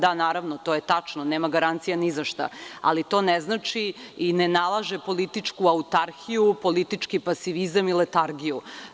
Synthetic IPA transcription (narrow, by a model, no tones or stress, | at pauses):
d̪anaːɾaʋnot̪oːjet̪at͡ʃnoneːmaɡaɾant̪sijanizaʃt̪a̰a̰lit̪o̞ːnɛznat͡ʃiinenalˠaʒepo̞lit̪it͡ʂkuaut̪aɾxijupo̞lit̪it͡ʂkipasiʋizamilet̪aɾɡiju